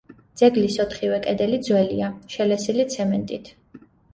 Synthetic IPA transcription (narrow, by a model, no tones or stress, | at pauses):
d̪z̥ɛɡlisɔt̪ʰχivɛkʼɛd̪ɛlid̪zwɛliaʃɛlɛsilit̪sʰɛmɛnt̪ʼit̪ʰ